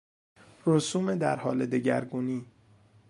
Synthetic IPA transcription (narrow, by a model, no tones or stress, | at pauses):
ɾosuːmed̪æ̰ɾhɒːle̞d̪eɟæ̰ɾɡuːniː